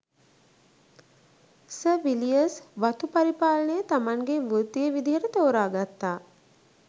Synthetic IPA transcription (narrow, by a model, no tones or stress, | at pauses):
səʋilijəsʋat̪upaɾipaːlənəjət̪amaŋɡeʋət̪ːijəʋid̪iɦəɾət̪oːɾaːɡat̪ːaː